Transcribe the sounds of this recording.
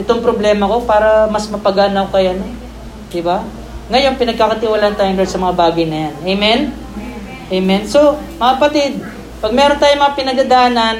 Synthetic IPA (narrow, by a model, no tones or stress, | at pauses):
ʔɛt̪o̞ŋpɾoblɛːmɐko̞paːɾɐmɐsmɐpɐɡaːnɐwkɐjɐno | d̪ɪba | ŋɐjo̞ŋpɪnɐɡ̚kakɐt̪ɪwaːlaʔɐnt̪aːjod̪ɛsɐmɐŋabaːɡɐjnɐjanejmɛn | ʔejmɛnso̞ | mɐŋkɐpɐt̪ɪd̪̚ | pɐɡ̚mɛːɾont̪aːjomɐŋapɪnɐd̪ɐd̪aːnɐn